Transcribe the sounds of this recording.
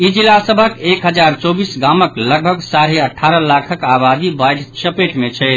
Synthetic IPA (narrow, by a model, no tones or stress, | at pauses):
id͡ʒilasəbʱəkekɦəd͡ʒaɾt͡ʃɔbisɡaməkləɡ̚bʱəɡsaɾeəʈʰːaɾəlakʰəkabad̪ibajɖt͡ʃəpeʈmet͡ʃʰɛ